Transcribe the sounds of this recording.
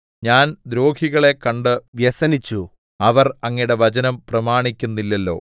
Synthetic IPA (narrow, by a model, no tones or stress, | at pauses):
ɲaːnd̪ɾo̞ːɡʰʱiɣɐɭe̞kɐɳɖɨʋjɐsɐnit͡ɕːu | ɐʋɐrɐŋːiɽeʋɐt͡ɕɐnɐmprɐmaːɳikʲːunːilːɐlːo̞̰ː